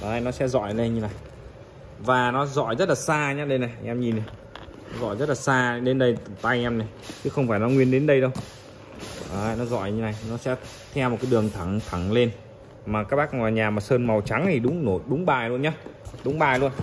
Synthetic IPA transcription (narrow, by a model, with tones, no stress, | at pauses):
ʔaː˨˧jnɔ˨˦sɛ̰˧˥zɔ̰˧˨jle˧ɲɨ˧na˨˩j | vaː˨˩nɔ˨˦zɔ̰˧˨jzə˦˥t̚laː˨˩saː˧ɲaː˨˦˥ɗə˧jna˨˩jʔa˧ŋʔɛ˧mɲi˨˩na˨˩j | nɔ˨˦zɔ̰˧˨jzə˦˥t̚laː˨˩saː˧ɗe˨˦nɗə˧jt̪a˧jʔɛ˧mna˨˩j | t͡ɕɨ˨˦xə˧wŋ͡mfaː˧˩jnɔ˨˦ŋwi˧ənɗe˨˦nɗə˧jɗə˧w | ʔaː˨nɔ˨˦zɔ̰˧˨jɲɨ˧na˨˩jnɔ˨˦sɛ̰˧˥ | t̪ʰɛ˧wmo˨˩t̚kaː˨˦jɗɨ˨˩əŋt̪ʰa˧˩ŋt̪ʰa˨˧˩ŋle˧n | maː˨˩kaː˦˥k̚ɓaː˦˥k̚ŋaː˨˩jɲaː˨˩maː˨˩səː˧nma˨˩wt͡ɕa˨˦ŋt̪ʰi˨˩ɗʊ˨˦ŋ͡mno˧˩ɗʊ˨˦ŋ͡mɓaː˨˩jlu˧ənɲaː˨˦ɗʊ˨˦ŋ͡mɓaː˨˩jlu˧ən